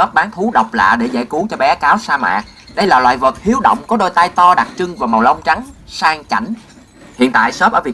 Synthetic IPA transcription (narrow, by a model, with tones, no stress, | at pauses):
ə˦˥p̚ɓaː˨˦nt̪ʰu˨˦ɗə˨˩wk͡p̚la̰ː˧˨ɗe˧˩za̰˧˩jku˨˦əŋt͡ɕɔ˧ɓɛ˨˦kaː˨˦wsaː˧ma̰ː˧˨k̚ | ɗə˧jlaː˨˩lwa̰ː˧˨jvə˨˩t̚hi˨˦əwɗə̰˧˨wŋ͡mkɔ˨˦ɗo˧˩jt̪a˧jt̪ɔ˧ɗa˨˩t̚t͡ɕɨ˧ŋvaː˨˩ma˨˩wlə˧wŋ͡mt͡ɕa˨˦ŋsaː˧ŋt͡ɕa˧˩jŋ̟ | hḭ˧˨ənt̪a̰ː˧˨jsəː˦˥p̚ʔəː˧˩vi˨˩ə